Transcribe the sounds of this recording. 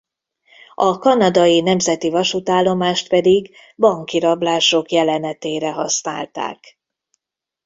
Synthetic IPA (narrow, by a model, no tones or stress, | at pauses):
ɒkɒnɒd̪ɒjinɛmzɛt̪ivɒʃut̪aːlːo̞maːʃt̪pɛd̪iɡ | bɒŋkiɾɒblaːʃo̞kjɛlɛnɛt̪eːɾɛɦɒsna̰ːlt̪a̰ːk